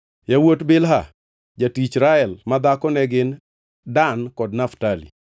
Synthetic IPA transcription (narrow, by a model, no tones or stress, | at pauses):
jawotbɪlɦa̰ | d͡ʒatit͡ʃɾaɛlmad̪akɔnɛɡɪn | dankɔdnaftalḭ